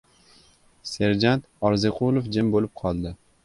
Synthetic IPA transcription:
se̞ɾd͡ʒant̪ɒɾzɪqʰʊlˠofd͡ʒɪmbolɪp̚qʰɒlˠd̪ɪ

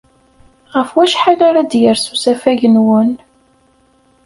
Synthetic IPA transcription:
ʁəfwæʃħalaɾad̪jəɾsusæfæʝənwən

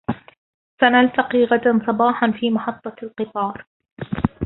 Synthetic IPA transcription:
fanalt̪aqiːɣad̪ansˤɑbɑːħanfiːmɑħɑt̪ˤːɑlqɨt̪ˤɑːɾˤ

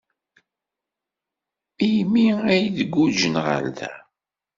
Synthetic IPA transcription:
ijmiæjðəɡːud͡ʒənʁə̰lðæ̰

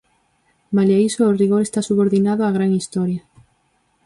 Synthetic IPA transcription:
malaisoːriɣoɾest̪asuβoɾðinaðʊaɣ̞ɾaŋist̪ɔɾjɐ

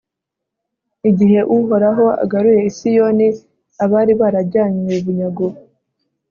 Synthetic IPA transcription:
iɟiɦe̞ʔuɦo̞ɾaɦo̞a̰ɡaɾuje̞isijo̞ni | aβaːɾiβaːɾaɟaːɲweβuɲaɡo

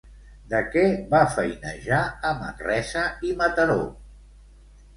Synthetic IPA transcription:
d̪əkɛβafəjnə̰ʒaəmə̰nrɛzəimət̪əɾo̰

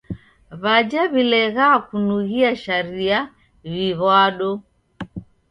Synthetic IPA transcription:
βad͡ʒaβilɛɣaːkunuɣiaʃaɾia | βiβwaɗɔ

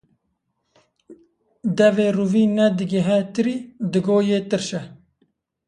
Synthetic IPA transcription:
d̪ɛveːruviːnɛd̪ɨɡeɦɛt̪ɨɾiːd̪ɨɡoːjeːt̪ɨɾʃɛ

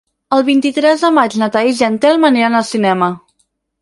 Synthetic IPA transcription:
əlˠβint̪it̪ɾɛzðəmad͡ʒnət̪aizɛnt̪ɛlməneənəlˠsinɛmə

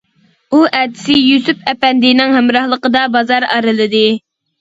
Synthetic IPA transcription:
uʔæd̪ɪ̥sɪjusypɛpɛnd̪ɪnɪŋhæmɾɑhlˠəqəd̪ɑbɑzɑɾɑ̰ɾɨlˠɨd̪ɨ

